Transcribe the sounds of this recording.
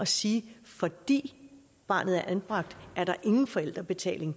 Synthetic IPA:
ɒ̽siːfɒ̽d̥ḭː | b̥ɑ̰̈ːnð̞̩ˠæɐʔænb̥ʁɑ̈ɡ̥̚d̥ʔæɐɾɑ̈ʔe̝ŋn̩fɒ̽el̰d̥ʁɐb̥e̝t͡sʰɛ̰ːle̝ŋ

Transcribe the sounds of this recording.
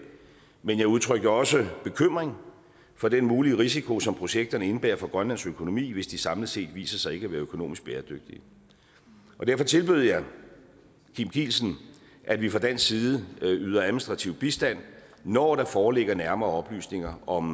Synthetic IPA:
menjɑ̈ɪuð̞ˠt͡sʰʁœɡ̥əɒ̽səb̥e̝kʰøm̰ʁeŋ | fɒ̽d̥enmuːliʁis̬ikʰo̝sɒ̽mpʰʁo̝ɕeɡ̥̚d̥ɐnəe̝nəb̥æ̰ɐfɒɡ̥ʁɶnlæn̰søkʰo̝no̝mḭːʋe̝sd̥isɑ̈mləð̩ˠse̝̰ːd̥ʋḭːsɐsɑ̈ɪe̝ɡ̥əæʋæːɐøkʰo̝no̝̰ːmisɡ̥̚b̥eːɐd̥øɡ̥̚d̥i | ʔɒ̽d̥æɐfɒ̽t͡sʰe̝lb̥eð̞̩̰ˠjɑ̈ɪ | kʰimkʰḭːlsn̩ | ʔædʋifʁɑ̈d̥æn̰sːiːðˠəyð̞ˠɐæðˠminisd̥ʁɑ̈t͡sʰiʊ̰b̥isd̥æn̰ | nɒːɾ̥ɑ̈fɒːle̝ɡ̥ɐnæɐmɐːɒ̽b̥ly̰ːsne̝ŋɐɒ̽m

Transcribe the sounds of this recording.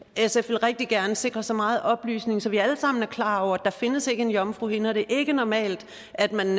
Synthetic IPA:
esefʋe̝lʁɛɡ̥̚d̥iɡ̥æɐnəse̝ɡ̥ʁɐsɒmɑ̈ːð̞̩ˠʔɒ̽b̥ly̰ːsne̝ŋsɒ̽ʋiæləsɑ̈m̰n̩æɐkʰlɑ̈ːɒʊɐæd̥ɑ̈fe̝nəse̝ɡ̥əenjɒ̽mfʁṵhe̝nɐɾ̥e̝ʔe̝ɡ̥ənɒmɛ̰ːld̥ | æd̥mæn

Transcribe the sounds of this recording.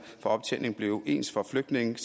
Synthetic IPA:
fɒ̽ɒ̽b̥t͡sʰene̝ŋ̩b̥le̝ʊʔe̝̰ːnsfɒ̽fløɡ̥d̥ne̝ŋn̩s

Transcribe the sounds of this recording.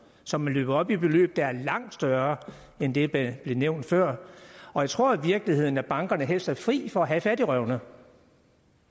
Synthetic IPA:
sɒ̽mænlø̰ːb̥ɐɒ̽b̥ib̥e̝lø̰ːb̥̚d̥ɑ̈æɐlɑ̈ŋ̰d̥sd̥ɶɐ | end̥e̝̥b̥le̝neʊ̰nd̥fɶɐ̰ɒ̽jäɪt͡sʰʁo̝ɐ̰ʋiɐɡ̥əlihe̝ð̞̰ˠn̩æb̥ɑ̈ŋɡ̥ɐnəɦel̰sd̥æɐfʁḭːfɒ̽æɦæfæd̥ɾiʁœʊnə

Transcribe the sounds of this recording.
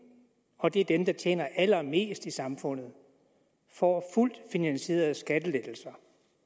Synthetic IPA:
ɒ̽d̥e̝æɐd̥emd̥ɑ̈t͡ɕʰjḛːnɐʔælɐme̝̰ːsd̥isɑ̈mfɔ̽n̰ð̞̩ˠ | fɒ̰ful̰d̥finænɕe̝̰ːɐð̩ˠsɡ̥æd̥əled̥l̩sɐ

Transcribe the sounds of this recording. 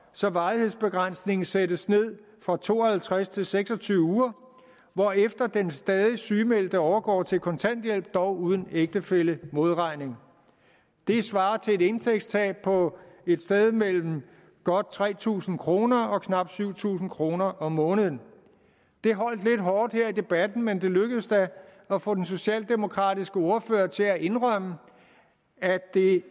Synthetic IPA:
sɒ̽ʋɑ̈ɪihe̝ð̞̰ˠsb̥e̝ɡ̥ʁan̰sne̝ŋn̩sedəsne̝ð̞̰ˠ | fʁɑ̈t͡sʰo̝̰ːɐhælt͡sʰʁast͡sʰe̝lseɡ̥sɒ̽t͡sʰyːʊəuːɐ | ʋɒefd̥ɐd̥ensd̥ɛːð̞ˠisyːmel̰d̥əɒʊɐɡ̥ɒ̰ːt͡sʰe̝lkʰɒ̽nt͡sʰæn̰d̥jel̰b̥̚d̥ɒʊuːð̞ˠn̩eɡ̥̚d̥əfeləmo̝ð̞ˠʁɑ̈ɪ̰ne̝ŋ | d̥e̝sʋɑ̈ːt͡sʰe̝e̝de̝nt͡sʰeɡ̥st͡sʰɛ̰ːpʰɒ̽e̝d̥sd̥eð̞ˠmel̰m̩ | ɡ̥ɒ̽d̥̚t͡sʰʁɛ̰ːt͡sʰṵːsn̩kʰʁo̝ːnɐɒ̽kʰnɑ̈b̥syʊ̰t͡sʰṵːsn̩kʰʁo̝ːnɐʔɒ̽mːɔ̽ːnəðˠn | d̥e̝ɦɒ̽l̰d̥le̝d̥ɦɒːd̥heɐ̰id̥e̝b̥æd̥n̩mend̥e̝løɡ̥əð̩ˠsd̥æ | ɒfɔ̰̽ːd̥en̩so̝ɕɛ̰ːld̥e̝mo̝kʰʁɑ̰̈ːd̥isɡ̥əo̝ɐfø̰ːɐt͡sʰe̝æʔe̝nʁɶmə | æd̥e̝

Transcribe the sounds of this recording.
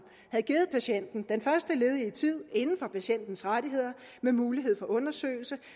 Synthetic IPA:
hæð̞̩ˠɡ̥iːð̩ˠpʰæɕen̰d̥n̩d̥enfɶɐsd̥əle̝ːð̞ˠiət͡sʰið̞̰ˠe̝nn̩fɒ̽pʰæɕen̰d̥n̩sʁad̥iɦe̝ð̞̰ˠɐ | memuːliɦe̝ð̰ˠfɒ̽ʔɔ̽nɐsø̰ːɪlsə

